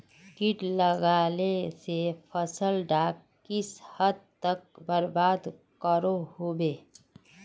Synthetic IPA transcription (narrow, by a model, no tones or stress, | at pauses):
kɪʈləɡaːlesepʰəsəlɖaːkː | ɪshəd̪̚t̪ək̚bəɾbaːd̪ | kəɾohobeː